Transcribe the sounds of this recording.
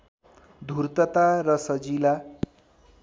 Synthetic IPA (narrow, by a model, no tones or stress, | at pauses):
d̪ʱuɾt̪ʌt̪aɾʌsʌd͡zila